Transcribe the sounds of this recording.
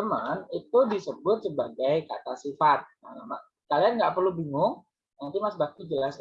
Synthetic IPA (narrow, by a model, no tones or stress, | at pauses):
əmanit̪udisəbʊt̪̚səbaɡajka̰t̪asifat̪̚jaama̰ | kalianŋɡapərlubiŋʊŋ | jaŋt̪imasbakid͡ʒəlas